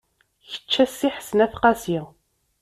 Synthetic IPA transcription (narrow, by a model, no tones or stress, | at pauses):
çə̥t͡ʃːæsːiħə̥snæθqɑsi